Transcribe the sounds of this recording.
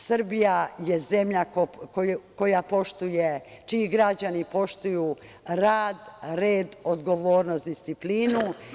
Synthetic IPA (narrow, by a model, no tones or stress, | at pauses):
srɾbijaje̞ze̞mʎakkoko̞japo̞ʃt̪uje | t͡ʃiːɡɾad͡ʑanipo̞ʃt̪uju | ɾaːd̪ɾeːd̪od̪ɡo̞ʋo̞ːɾnost̪d̪ist̪sipliːnu